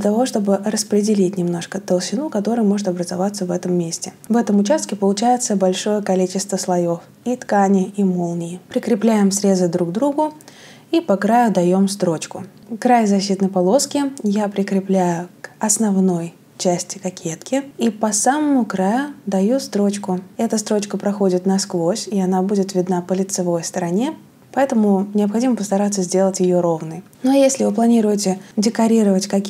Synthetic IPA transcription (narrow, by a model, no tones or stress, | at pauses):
dllʲət̪ɐvo̞ʂt̪o̞bɨrəspɾʲɪdʲɪlʲit̚ʲnʲɪmno̞ʂkət̪əlˠɕɪnukɐt̪o̞ɾɨjmo̞ʐɨt̪ɐbɾəzɐvat̪səvɛt̪əmːʲesʲtʲɪ | vɛt̪əmʊt͡ɕast̪̚kʲɪpəlˠʊt͡ɕæjɪt̪səbɐlʲʂo̞jəkɐlʲit͡ɕɪst̪vəslˠɐjof | it̪kanʲɪimolˠnʲɪɪpɾʲɪkɾʲɪplʲæjɪmsɾʲe̞zɨd̪ɾuɡd̪ɾuɡʊ | ipɐkɾajʊd̪ɐjo̞mst̪ɾo̞t͡ɕkʊ | kɾajzɐɕːit̪nəjpɐlˠo̞skʲɪjapɾʲɪkɾʲɪplʲæjʊkɐsnɐvno̞j | t͡ɕæsʲtʲɪ̥kɐkʲʰet̪kʲɪipɐsaməmʊkɾajʊd̪ɐjust̪ɾo̞t͡ɕkʊɛt̪əst̪ɾo̞t͡ɕkəpɾɐxo̞dʲɪt̪nɐsklˠosʲɪɐnabudʲɪt̪vʲɪd̪napəlʲɪt̪sɨvo̞jst̪əɾɐnʲe̞ | pɐɛt̪əmʊnʲɪɐpxɐdʲiməpəst̪ɐɾat̪sːəzʲdʲe̞lˠətʲjɪjo̞ɾo̞vnɨj | nojesʲlʲɪvɨplˠɐnʲiɾʊjɪtʲɪdʲɪkɐɾʲiɾəvətʲkɐ